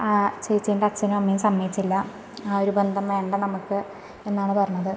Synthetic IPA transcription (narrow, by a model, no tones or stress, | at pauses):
at͡ɕejit͡ɕːeːɳɖɐt͡ɕːɐnumɐmːɐjɐmsɐmːɐjit͡ɕːilːɐ | aːo̞ɾube̞nd̪ʱɐmʋe̞ːɳɖɐnɐmukːɨ | e̞nːaːɳɨpɐrɐɲːɐðɨ